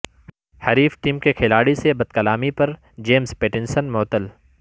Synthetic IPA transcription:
hɐɾiːfʈiːmkekʰɪlaːɽisebɐd̪̚kɐlaːmipɐɾ | d͡ʒeːmzpeːʈɪ̃nsənmɔːt̪əl

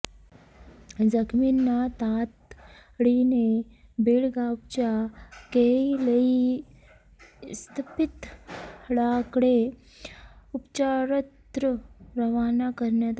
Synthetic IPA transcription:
d͡zəkʰminːat̪at̪ɽinebeɭɡaup̚t͡ɕjakeləi | st̪ʰpit̪ | ɽakɽe | upt͡ɕaɾət̪ɾəɾəʋanakəɾɳjat̪a

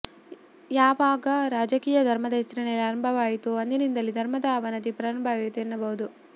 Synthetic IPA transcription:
jaːʋaːɡɐɾaːd͡ʒɐkiːjɐd̪ʱɐɾmɐd̪ɐɦisɾiɳejɐlaːɾɐnbʱɐʋaːjit̪uɐnd̪enind̪ɐlːid̪ʱɐɾmɐd̪aːʋɐnɐd̪ipɾaːɾɐnbʱaːʋet̪enːɐbɐɦud̪u

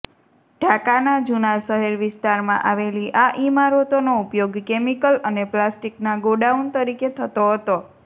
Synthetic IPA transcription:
ɖʱakanad͡ʒunaʃəɦɛɾʋɪst̪aɾmã̰ʔaʋeliʔaʔimaɾot̪onoupjoɡkemikələneplasʈiknaɡoɖaunt̪əɾiket̪ʰət̪oɦət̪o

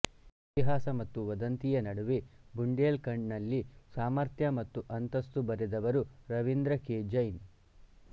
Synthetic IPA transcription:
it̪iɦaːsɐmɐt̪ːuʋɐd̪ɐnt̪ijɐnɐɽuʋebuɳɖeːlkɐɳɖnɐlːisaːmɐɾt̪ʰjɐmɐt̪ːuʔɐnt̪ɐst̪ubɐɾɛd̪ɐʋɐɾuɾɐʋind̪ɾɐkeːd͡ʒɐjn

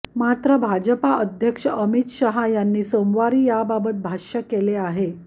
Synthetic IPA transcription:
mat̪ɾəbʱad͡ʑəpaəd̪ʱjəkʂəʔəmit̪ɕəɦajanːiːsomʋaɾiːjababət̪̚bʱaɕəkeleaɦe

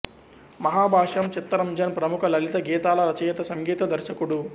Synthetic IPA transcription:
mɐɦaːbʱaːʂɐmt͡ʃit̪ːɾɐmd͡ʒɐnpɾɐmukʰɐlɐlit̪ɐɡiːt̪aːlɐɾɐt͡ʃɐjɐt̪ɐsɐŋɡiːt̪ɐd̪ɐɾʃɐkuɽu

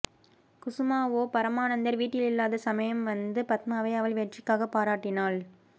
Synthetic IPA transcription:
kʊsɯmaːʋoːpɐɾɐmaːnɐnd̪ɐɾʋiːʈːɪlɪlːaːðɐsɐmɐjɐmʋɐnd̪ɯpɐt̪̚maːʋɐɪɐʋɐɭʋɛʈrɪkːaːɣɐpːaːɾaːʈːɪnaːl

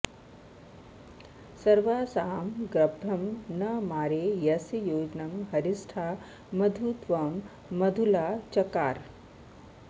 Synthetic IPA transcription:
sɐɾʋaːsaːmɡɾɐbʱɐmnɐmaːɾejɐsjoːd͡ʒnɐmɦɐɾisʈʰaː | mɐd̪ʱut̪ʋɐmː | ɐd̪ʱulaːt͡ʃɐkaːɾ

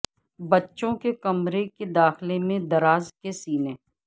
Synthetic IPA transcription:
bɐtːʃõkekɐmɾeked̪aːxlemẽd̪ɐɾaːzkesiːneː

